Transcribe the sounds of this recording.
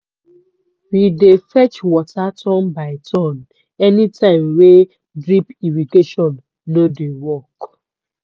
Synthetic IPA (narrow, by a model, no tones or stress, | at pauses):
widefɛt͡ʃwɔtʰatʰɔ̃nbaɪtʰɔ̃n | ɛnitãɪ̃mwe | dɹipiɹiteʃɔ̃nː | odewɔk